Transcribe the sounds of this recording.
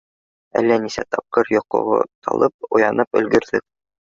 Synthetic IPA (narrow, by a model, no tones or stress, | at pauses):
ælːænisæ̰t̪ɑp̚qɤɾjŏqŏ̰ʁɤ̰t̪ʰɑ̰lˠɤp̚ŏjɑnɤpɵ̆lɡɵ̆ɾðɘk̚